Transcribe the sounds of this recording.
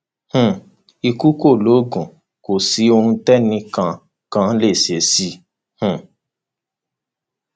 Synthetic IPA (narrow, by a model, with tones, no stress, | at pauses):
h̩˧˨ | i˧ku˦ko˦˨lo˨˦ɡũ˨ | ko˨si˨˦o˧hũ˧tɛ˦nĩ˧kã˧ | kã˦le˦˨se˨si˦ | h̩˦˨